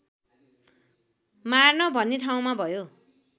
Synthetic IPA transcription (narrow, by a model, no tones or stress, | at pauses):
marnʌbʱʌnːiʈʰaw̃mabʱʌjo